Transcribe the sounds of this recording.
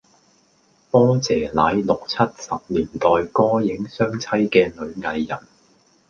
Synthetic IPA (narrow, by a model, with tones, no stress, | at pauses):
fɔː˥t͡sɛː˨˩laː˨˧˥jlʊ˨k̚t͡sʰɐ˥t̚sɐ˨p̚liː˨˩nt̪ɔː˨jkɔː˥jɪ˨˥ŋsœː˥ŋt͡sʰɐ˥jkɛː˧lɵ˨˧ɥŋɐ˨˧jːɐ˨˩n